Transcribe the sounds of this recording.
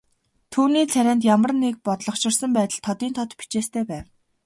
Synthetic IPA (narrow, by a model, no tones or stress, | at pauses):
t̪ʰuːniːt͡sʰæɾʲaːnt̪̬jamə̆rnːek̚pɔt̪ɮɞ̆χʃɪ̆rsə̆mpæːt̪ə̆ɮt̪ʰːɔt̪iːnt̪ʰɔt̪pi̥t͡ɕeːst̪ʰeːpæːw